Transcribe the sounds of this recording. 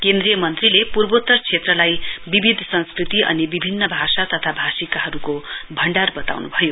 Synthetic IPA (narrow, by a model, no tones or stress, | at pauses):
kend̪rijʌmʌnt̪rilepurbot̪ːʌrt͡sʰet̪rʌlajbibʱid̪ʱsʌ̃nskrit̪iʔʌ̰nibibʱinːʌbʱasat̪ʌt̪ʰabʱasikaɦʌɾukobʱʌɳɖarbʌt̪a̰wnubʱʌjo